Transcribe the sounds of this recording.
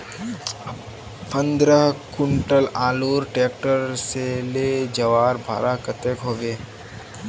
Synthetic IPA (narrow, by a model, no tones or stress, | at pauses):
fə̃nd̪ɾəɦkʊɳʈəlaːloːɾʈeːk̚ʈəɾseleːd͡ʒɐʋaːɾbʱa̰ːɾakət̪eːkɦoːɡeː